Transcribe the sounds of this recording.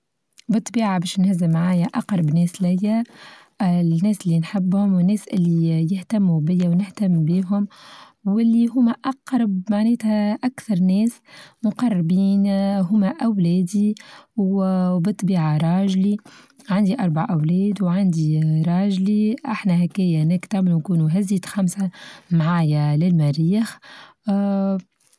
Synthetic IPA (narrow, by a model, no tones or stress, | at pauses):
bɨt̪ˤːbiːʕabɛːʃnhɪzɪmaʕaːjæʔɑqɾˤɑbnɛːslɪjːæ | nːɛːslːinħɪbːhʊmwɪnːɛːsʔɪ̰lːijɪht̪amːubɪjːawnɪht̪amːbiːɦʊm | wɪlːiɦʊmːæʔɑqɾˤɑbmaʕnɛːt̪hæʔakθɑɾˤnɛːs | mʊqɑrˤːbiːnɦʊmːæʔæwlɛːd̪iwbɨt̪ˤːbiːʕaɾˤɑːʒli | ʕand̪iʔɑɾˤbaʕʔawlɛːd̪wʕand̪iɾˤɑːʒliʔaħnæhækæjæʔnɪkt̪aʕmɪlunkuːnuɦæzːiːt̪xamsamʕaːjalɪlmæɾiːx